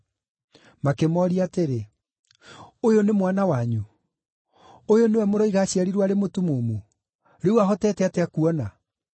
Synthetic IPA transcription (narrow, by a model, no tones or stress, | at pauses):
makemɔɾiateɾe | ojonemwanawaɲu | ojonewɛmoɾɔiɣaɕiaɾiɾwaɾemotumomo | ɾeuaɦɔtɛːtɛatɛakuɔna